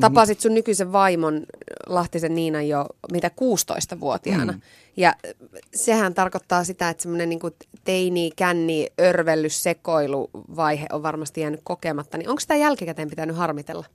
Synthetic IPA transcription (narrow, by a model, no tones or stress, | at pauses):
t̪ɑpɑsit̪sunnykyseʋʋɑimonlɑht̪isenniːnɑjjomiːt̪ækuːst̪o̰ist̪ɑʋṵot̪iɑ̰nɑ | jɑsehænt̪ɑrkot̪ːɑːsit̪æet̪semːonenniːŋkut̪einiːkænːiørʋelːyssekoilṵʋɑiɦḛʔoʋʋɑrmɑst̪ijæːnykkokemɑt̪ːɑniʔoŋksit̪æjælkikæt̪empit̪ænyhɑrmit̪ḛlːɑ